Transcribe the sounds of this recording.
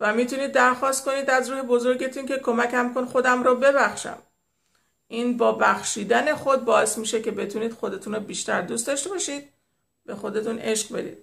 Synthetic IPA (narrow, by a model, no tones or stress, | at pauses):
væmiːt̪ʰuniːd̪ːæɾxɒːst̪̚ko̞niːd̪æzɾuːhe̞bo̞zo̞ɾɟe̞t̪ʰunce̞kʰo̞mæcæmkonxo̞d̪æmɾɔːbe̞bæxʃæ̰m | ʔiːnbɒːbæxʃiːd̪æne̞xo̞d̪̚bɒːe̞smiːʃe̞ce̞be̞t̪ʰuniːd̪̥xo̞d̪e̞t̪ʰunɔbiːʃt̪æɾd̪ust̪d̪ɒːʃt̪e̞bɒʃiːd̪̥̚ | be̞xo̞d̪e̞t̪ʰune̞ʃqbe̞d̪ḭːd̪̥̚